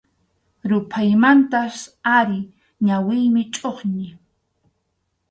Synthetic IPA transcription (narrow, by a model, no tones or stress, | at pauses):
ɾʊpʰajmant̪asaɾɪ | ɲawɪjmɪt͡ʃʼoχɲɪ